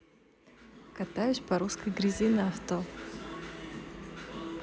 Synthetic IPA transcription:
kɐt̪ajʊsʲpɐɾuskəjɡɾʲizʲinɐɐft̪o

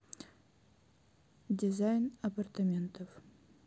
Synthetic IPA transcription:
dʲɪzajnɐpɐrt̪ɐmʲent̪əf

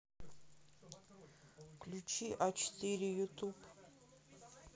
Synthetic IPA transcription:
kʰlʲut͡ʃʰiʔat͡ʃʰtʰiɾijut̪ʰupʼ

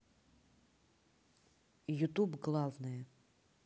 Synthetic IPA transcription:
jut̪ubɡlˠavnɨjɛ

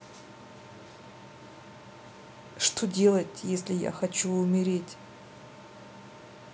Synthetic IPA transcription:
ʂt̪ʰo̞dʲe̞lˠɐtʲjesʲlʲɪja̰xɐt͡ɕuːmʲɪɾʲe̞tʲ

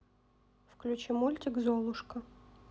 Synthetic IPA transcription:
fklʲʊt͡ɕimulʲt̪ʲɪɡzolˠʊʂkə

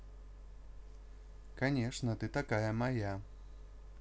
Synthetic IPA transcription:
kanʲɛʂnɐt̪ɨt̪akajɐmaja

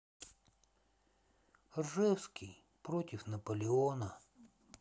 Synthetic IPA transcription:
rʐɛwskʲij | pɾot̪ʲɪfnɐpəlʲɪonə

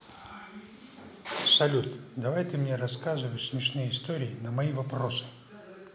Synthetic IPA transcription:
sɐlʲut̪d̪ɐvajt̪ɨmnʲeɾɐskazɨvəjsmʲɪʂnɨjəɪst̪oɾʲɪːnəmɐivɐpɾosɨ̥

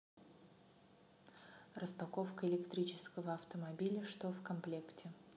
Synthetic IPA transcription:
rəspɐkofkəɪlʲɪkt̪ɾʲit͡ɕɪ̥skəvəɐft̪əmɐbʲilʲəʂt̪ofkɐmplʲektʲɪ

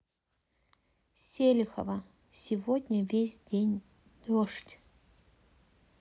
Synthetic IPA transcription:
sʲelʲxɐ̰vɐ | sʲivodʲnʲɐvʲesʲdʲenʲ | d̪̥oʂtʲ

